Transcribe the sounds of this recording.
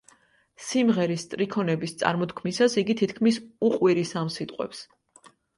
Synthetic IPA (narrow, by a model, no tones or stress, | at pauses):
simʁɛɾist̪ʼɾikʰɔnɛbist̪sʼa̰ɾmɔt̪kʰmisasiɡit̪ʰit̪ʰkʰmisuqʼwiɾisamsit̪ʼqʼwɛ̰ps